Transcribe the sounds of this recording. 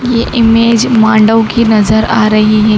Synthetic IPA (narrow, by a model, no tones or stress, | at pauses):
jeʔimed͡ʒmãɳɖəʋkinəzəɾaɾəɦiɦɛ